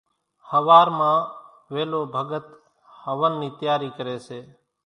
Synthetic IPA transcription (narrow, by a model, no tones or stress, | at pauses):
həʋaːɾmãː | ʋeːloːbʱəɡət̪ | həʋənːiːt̪jaːɾiːkəɾeːseː